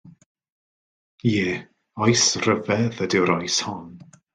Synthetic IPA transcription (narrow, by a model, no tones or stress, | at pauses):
jɛː | ɔjsrəvɛðədɪwɾɔjshɔn